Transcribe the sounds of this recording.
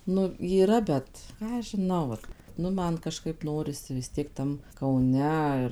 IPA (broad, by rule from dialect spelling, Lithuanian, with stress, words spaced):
ˈnʊ iːˈrɐ ˈbʲɛt ˈkɑː ɐʃ ʒʲɪˈnɐʊ ʋɐt ˈnʊ ˈmɐn kɐˈʃkɐɪp ˈnoːrʲɪsʲɪ ʋʲɪs ˈtʲiɛk ˈtɐm kɐʊˈnʲɛ ɪr